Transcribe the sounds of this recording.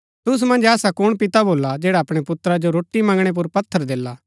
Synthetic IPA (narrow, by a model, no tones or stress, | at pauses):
t̪ʊs̬mɐ̃nd͡ʒɛːsakʊɽ̃pɪt̪aboːlad͡ʒɛːɽaɐpɽ̃epʊt̪ːɾad͡ʒoɾoːʈːimɐ̃ŋɡɽ̃ep̬ʊɾpɐt̪ʰːəɾd̪eːlaː